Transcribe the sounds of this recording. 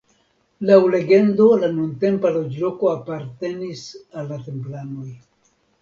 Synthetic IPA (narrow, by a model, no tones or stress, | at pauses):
lawle̞ɡe̞ndo̞lanunte̞mpalo̞d͡ʒlo̞ko̞apaɾte̞nisalːate̞mplano̞j